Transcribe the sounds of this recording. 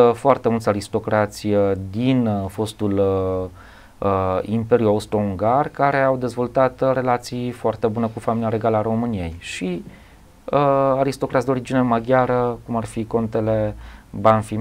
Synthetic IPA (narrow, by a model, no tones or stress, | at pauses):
foart̪e̞mult̪ʲaɾist̪o̞kɾat̪sʲd̪info̞st̪ul | impe̞ɾjuaust̪ɾouŋɡarkaɾe̞awd̪e̞zvo̞lt̪at̪re̞lat̪sijfoart̪e̞bunekufaminiaɾe̞ɡaləaɾo̞mɨnije̞jʃi | əaɾist̪o̞kɾat̪sʲd̪o̞ɾid͡ʒinemaɡʲjaɾəkumarfiko̞nt̪e̞le̞banfi